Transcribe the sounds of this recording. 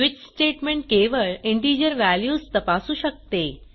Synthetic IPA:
ʋit͡ɕsʈeʈmẽɳʈ̚keʋəɭɪɳʈiːd͡ʑəɾʋæljuːst̪əpasuːɕək̚t̪e

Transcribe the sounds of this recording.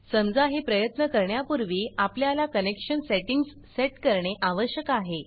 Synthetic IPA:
səmd͡zaɦepɾəjət̪nəkəɾɳjapuɾʋiːapljalakənekɕənseʈiŋɡsːeʈkəɾɳeʔaʋəɕjəkaɦe

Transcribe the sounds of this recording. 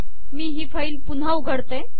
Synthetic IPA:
miːɦiːfaiːlpun̤awɡʱəɽt̪e

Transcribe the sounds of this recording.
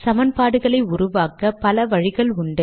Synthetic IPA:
sɐmɐnpaːɽɯɣɐɭɐɪʊrʊʋaːkɐpɐlɐʋɐɻɪɣɐɭʊɳɖɯ

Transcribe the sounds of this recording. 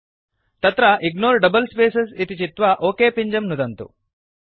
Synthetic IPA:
t̪ɐt̪ɾɐʔiɡnoːɾɖɐbɐlspeːsesit̪it͡ʃit̪ʋɐʔoːkeːpiɲd͡ʒɐmnud̪ɐnt̪ṵ

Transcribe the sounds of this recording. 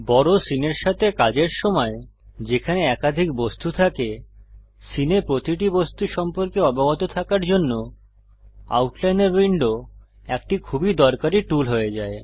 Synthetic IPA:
bɔɾosineɾʃat̪ʰekad͡ʑeɾʃɔmɔed͡ʑekʰaneɛkad̪ʱikbost̪ut̪ʰake | sinepɾot̪iʈ̬ibost̪uʃɔmpoɾkeɔbaɡot̪ot̪ʰakaɾd͡ʑonːo | a̰wʈlajneɾwiɳɖo | ek̚ʈikʰubid̪ɔɾkaɾiʈulɦoed͡ʑae

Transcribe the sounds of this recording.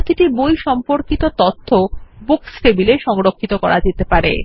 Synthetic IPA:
t̪ʰiʈibojʃɔmpoɾkit̪ot̪ɔt̪ʰːobuksʈebileʃɔŋɾokʰːit̪okɔ̰ɾʔad͡ʑet̪epaɾḛ

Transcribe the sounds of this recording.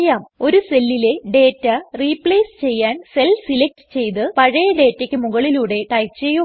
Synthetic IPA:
jaːmo̞ɾuse̞lːile̞ɖe̞ːtːɐriːpːɭeːst͡ɕe̞jːaːnse̞lsilek̚ʈɨ̥t͡ɕe̞jt̪ɨpɐɻɐjɐɖe̞ːtːekʲːɨmuɣɐɭiluːɽe̞ʈɐjkt͡ɕe̞jːu

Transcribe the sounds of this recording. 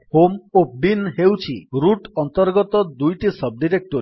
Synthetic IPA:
homobinɦewt͡ʃʰiɾuʈɔnt̪ɔɾɡɔt̪ɔd̪ujʈisʌb̚ɖiɾek̚ʈoɾi

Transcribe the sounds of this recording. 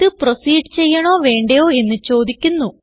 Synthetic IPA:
t̪ɨprɐsiːɖt͡ɕe̞jːɐɳoːʋe̞ːɳɖejo̞ːe̞nːɨt͡ɕo̞ːd̪ikʲːunːu

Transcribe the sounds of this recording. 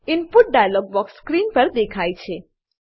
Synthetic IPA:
ɪnpuʈ̚ɖajəlɔɡ̚bɔksːkɾinpəɾd̪ekʰajt͡ʃʰe

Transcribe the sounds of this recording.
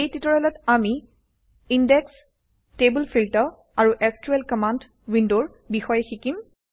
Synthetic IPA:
ejtitɔɹɛlɔtami | indɛks | tebəlpʰiltɔ | aɹuʔɛskjuɛlkɔmand | windoɹ | bixɔjɛxikim

